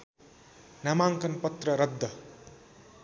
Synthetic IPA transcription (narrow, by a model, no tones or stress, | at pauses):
namaŋkʌnpʌt̪rʌɾʌd̪ʱːʌ